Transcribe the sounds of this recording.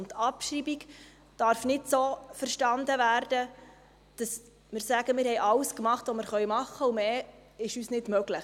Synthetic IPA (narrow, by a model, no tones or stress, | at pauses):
tɑpʃɾibiɡ | d̥ɑɾfnɪtsoːfəɾʃtɑndəvæːɾd̥ə | d̥ɑs | mɪːɾsæɡəmɪːɾhɛjʔɑwskmɑχtʋɔmɪːɾχœʏmɑχːəumeː | ɪʃyːsnɪdmœɡləχ